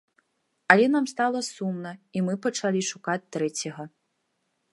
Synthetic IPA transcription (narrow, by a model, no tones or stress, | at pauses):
ɐlʲɛnamst̪alˠɐsumnɐimɨpɐt͡ʂalʲiʂukat͡sʲt̪ɾɛt͡sʲɐɣɐ